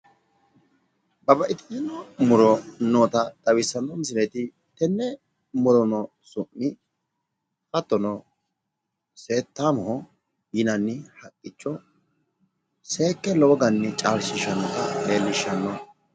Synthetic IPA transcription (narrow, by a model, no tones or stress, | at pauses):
bɐbɐʔɪt̪ɪ̥jɪnɔmʊɾɔnoːt̪ɐd̪̥ɐwɪsːɐnːɔmɪs̬ɪlɛt̪ɪ | t̪ɛnːɛ | mʊɾɔnɔ | sʊʔːɪ | fɐt̪ːɔnɔ | se̞ːt̪ːaːmɔhɔ | jɪnɐnːɪhɐkʼːɪt͡ʃːɔ | seːkːɛlɔɔɡɐnːɪt͡ʃʼaːɾsɪʃːɐnːɔt̪ɐle̞ːlːɪʃːɐnːɔ